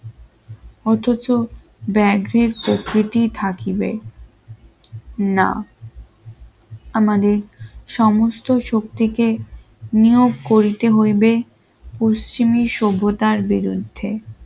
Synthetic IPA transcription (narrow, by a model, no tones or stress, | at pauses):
ɔt̪ʰot͡ɕo | bɛɡɾeɾpɾokɾit̪it̪ʰakibe | na̰ | amad̪eɾʃɔmost̪oʃok̚t̪ike | nijoɡkoɾit̪eɦojbe | post͡ɕimiʃobʱot̪aɾbiɾṵd̪ʱːe